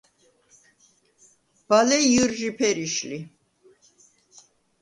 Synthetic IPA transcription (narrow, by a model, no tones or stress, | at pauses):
b̥alɛjɯɾʒipʰɛɾiʃli